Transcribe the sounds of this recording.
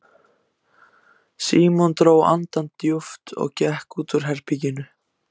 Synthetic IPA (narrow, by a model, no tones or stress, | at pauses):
siːmɔnt̪ɾoːwa̰nt̪ant̪ːjʊft̪ɔ̰ɣcɛhkuːt̪ʏɾ̥ɦɛɾ̥picɪnʏ